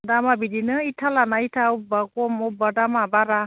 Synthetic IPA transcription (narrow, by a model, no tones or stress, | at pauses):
damabidinɯitʰalanaitʰaubakɔmɔbadamabaɾa